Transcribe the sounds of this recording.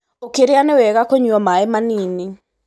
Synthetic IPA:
okeɾɪanɛwɛɣakoɲuɔmaɛmanini

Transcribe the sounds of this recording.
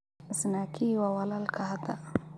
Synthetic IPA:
zinakʰiwawalalkʰad̪a

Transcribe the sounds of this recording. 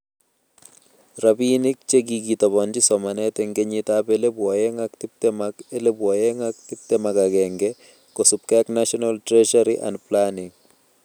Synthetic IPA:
ɾabinɪk̚t͡ʃeɡiɡit̪ɔbɔnd͡ʒɪsɔmanɛt̪ɛŋɡeɲɪtabelebwɔjɛŋakt̪ɪp̚t̪ɛmakelebwɔjɛŋak̚t̪ɪp̚t̪ɛmaɡaɡɛŋɡɛ | kosup̚kɛknaʃɔnaltɾɛʃaɾiʔa̰ndplanɪŋ

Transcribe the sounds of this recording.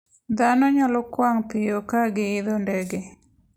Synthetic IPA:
d̪anɔɲɔlɔkwaŋpɪjokaɡɪɪd̪ɔndɛɡe

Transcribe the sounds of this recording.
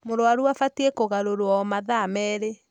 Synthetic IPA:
moɾwaɾuafatiekoɣaɾoɾwɔmaðamɛːɾe

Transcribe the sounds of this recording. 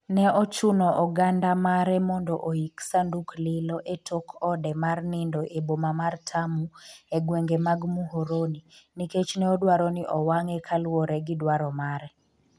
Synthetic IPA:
nɛʔɔt͡ʃunɔʔɔɡandamaɾɛmɔndɔʔoiksanduklɪlɔʔetʰokʰɔdɛmarnɪndɔʔebomamartʰamuɛɡweŋɡemaɡmuɦoɾoniniket͡ʃnɛɔdwaɾɔniʔɔwaŋɛkʰalwɔɾɛɡɪdwaɾɔmaɾɛ

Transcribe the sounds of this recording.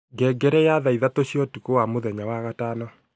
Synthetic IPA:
ɡɛɡɛɾɛjaðaiðatoɕjɔtukowamoðɛɲawaɣataːnɔ

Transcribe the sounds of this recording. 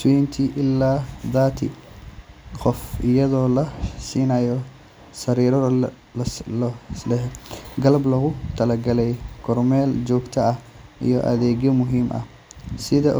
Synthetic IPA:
swɛnt̪ʰiːʔɪlːaːðaːt̪ʰḭ | qɔfʔɪjɐðɔːlɐsiːnɐjɔ | sɐɾiːɾɔ | lɛɡɐlɐblɐɣʊt̪ʰɐlɐɡɐlɛjkʰɔrmɛːld͡ʒɔːɡt̪ʰɐɐh | ḭjɔ̰ʔɐ̰ðɛːɡjɔmʊɦiːmʔɐ̰ | sɪðɐ

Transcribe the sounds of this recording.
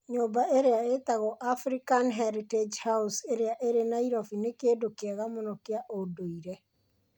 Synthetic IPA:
ɲoːbaeɾeaet̪aɣɔʔafɾikanɦaɾited͡ʒhauseɾeaʔeɾenaiɾɔfinekeːdokeaɣamonɔkeaʔodoiɾɛ

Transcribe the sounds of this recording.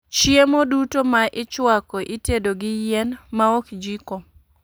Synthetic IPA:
t͡ʃjemodutomaʔɪt͡ʃwakɔʔitedoɡɪjenmaɔkd͡ʒiko

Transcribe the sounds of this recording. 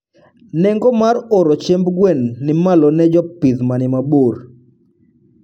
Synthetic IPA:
nɛŋɡɔmaroɾɔt͡ʃɛmbɡwɛnːɪmalɔnɛd͡ʒɔpiðmanɪmabor

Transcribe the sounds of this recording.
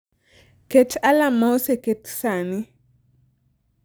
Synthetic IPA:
ketalamaoseketsanɪ

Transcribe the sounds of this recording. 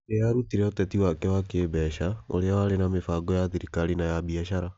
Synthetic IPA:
ejaɾutiɾɛotɛtiwakɛwakebɛʃao̰ɾeawaɾenamefaɡɔjaðiɾikalinajabiaʃaɾa

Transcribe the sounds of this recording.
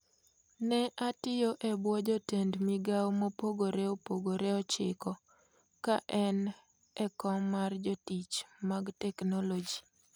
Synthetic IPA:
nɛʔatɪjoʔɛbwɔd͡ʒɔtendmɪɡawmopoɡoɾeopoɡoɾɛɔt͡ʃɪkɔ | kaʔɛn | ɛkɔmːard͡ʒɔtit͡ʃmaɡtɛknolod͡ʒi

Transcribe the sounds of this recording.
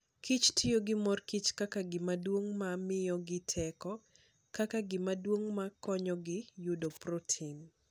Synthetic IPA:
kit͡ʃtʰɪjoɡɪmɔrkit͡ʃkakaɡɪmadwoŋmamɪjɔɡɪtʰɛkɔ | kakaɡɪmadwoŋmakɔɲɔɡɪjʊdoprotʰin

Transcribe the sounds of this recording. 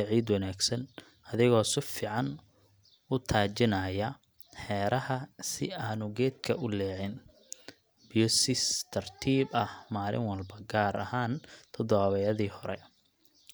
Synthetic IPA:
ɐʕiːd̪wɐnaːɡsɐn | ɐðɪɣɔːsɪfiːʕɑn | ʊt̪ʰaːt͡ʃɪnɐjɐ | ħɛːɾɐhɐsɪaːnʊɡɛːd̪̚kʰɐʔʊlɛːʕɪn | b̥jɔsɪst̪ʰɐrt̪ʰiːbɐhmaːlɪ̰ŋwɑlbɐɡaːɾɐhaːnt̪ʰɔd̪ɔβaːβɛjɐðiːhɔɾɛ̰

